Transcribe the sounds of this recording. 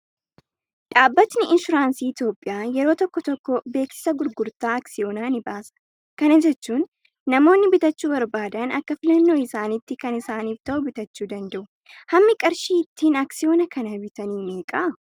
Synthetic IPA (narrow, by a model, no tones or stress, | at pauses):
ᶑaːbːɐt̪nɪɪnʃʊɾaːnsiːɪt̪jo̞ːpʼːɪjaːjɛɾo̞ːt̪ɔkːɔt̪ɔkːɔbe̞ːksɪ̥sɐɡʊɾɡʊɾt̪aːɐksɪjo̞ːnaːnɪbaːsɐ̥ | kɐnɐd͡ʒɛt͡ʃːuːnː | ɐmo̞ːnːɪbɪt̪ɐt͡ʃːuːbɐɾbaːd̪aːnɐkːɐfɪlɐnːo̞ːɪsaːnɪt̪ːɪkɐnɪsaːniːft̪ɐʔʊbɪt̪ɐt͡ʃːuːd̪ɐnd̪ɐʔʊ | hɐmːɪkʼɐɾʃiːt̪ʰːiːnɐksɪjo̞ːnɐkɐnɐbɪt̪ɐniːmeːkʼɐ